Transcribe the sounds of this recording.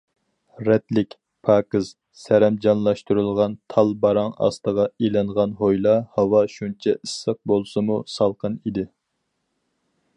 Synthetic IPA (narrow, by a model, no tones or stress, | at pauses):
ɾɛt̪lɪkʲ | pʰɑːkɨz̥ | sæɾɛmd͡ʒɑnlˠɑʃt̪uɾɨlˠʁɑnt̪ʰɑlˠbɑɾɑŋɑ̰st̪əʁɑilɨɴʁɑnɦojlˠɑhɑwɑʃunt͡ʃʰɛɨsːəq̚bolˠsɨmusɑlˠqənid̪ɪ